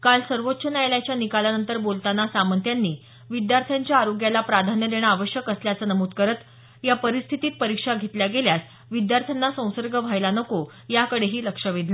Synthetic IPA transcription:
kalsəɾʋot̪ːɕənajljat͡ɕjanikalanənt̪əɾbolt̪anasamənt̪ʰjanːiː | ʋid̪jaɾt̪ʰjaɲt͡ɕjaːɾoɡjalapɾad̪ʱanjəd̪eɽ̃əaʋəɕjəkəsljat͡sənəmuːd̪kəɾət̪ | japəɾist̪ʰit̪iːt̪̚pəɾikʂaɡʱet̪ljaɡeljas | ʋid̪jaɾt̪ʰjanːasə̃w̃səɾɡʱəʋʱajlanəko | jakəɽeɦiːləkʂəʋid̪ʱlə

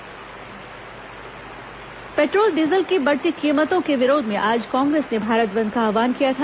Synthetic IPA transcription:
peːʈɾoːlɖizəlkibɐɽt̪ikiːmət̪õkeʋɪɾoːd̪ʱmẽʔaːd͡ʒkãːŋɡɾeːsnebʱaːɾət̪bɐ̃nd̪̚kaaːʋaːnkijat̪ʰa

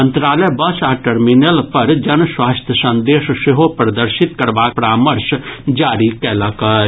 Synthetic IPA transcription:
ə̃nt̪ɾaːləjbɐsaːʈəɾminəlpɐɾd͡ʒɐnswaːst̪ʰjəsə̃nd̪eːʃseɦopɾəd̪əɾʃɪt̪kəɾbaːk̚pɾaːməɾʃd͡ʒaːɾikɛːlakə

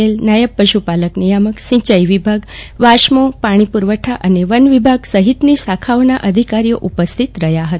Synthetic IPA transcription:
elnajəbpəɕupaləknijaməksĩt͡ɕəjʋibʱaɡʋaʂmopaɽ̃ipuɾʋəʈʰaʔəneʋənʋibʱaɡsəɦit̪nisakʰaʋnaʔəd̪ʱikaɾijəʔupəst̪ʰit̪ɾəɦjaɦət̪

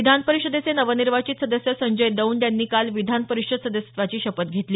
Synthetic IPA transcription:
id̪ʱanpəɾikʂəd̪et͡senəʋəniɾʋat͡ɕit̪səd̪əsjəsəɲd͡ʑəjd̪əuːnt̪janːiːkalʋid̪ʱanpəɾikʂəd̪səd̪əsʋat͡ɕiːɕəpət̪ɡʱet̪liː

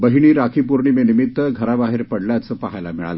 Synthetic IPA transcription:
bəɦiɽ̃iːɾakʰiːpuɾɳiːmenimit̪ːəɡʱəɾabaɦeɾpəɽljat͡səpaɦajlamiɭa̰lə

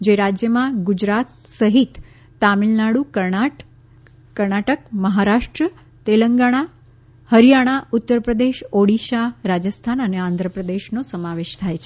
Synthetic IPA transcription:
d͡ʒeɾad͡ʒjəmãɡud͡ʒɾat̪səɦit̪ː | amilnaɽukəɾɳaʈ | kəɾɳaʈəkməɦaɾaʃʈɾə | t̪eləŋɡaɽ̃a | həɾijaɽ̃aut̪ːəɾpɾəd̪eʃoɽiʃaɾad͡ʒəst̪ʰanəneãnd̪ʱɾəpɾəd̪eʃnosəmaʋeʃt̪ʰajt͡ʃʰe

